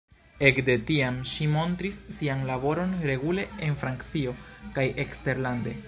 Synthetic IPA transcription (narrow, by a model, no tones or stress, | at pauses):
e̞kde̞tiamʃimo̞ntɾisːianlabo̞ɾo̞nɾe̞ɡule̞enfɾankt͡sio̞kaje̞kste̞ɾlande̞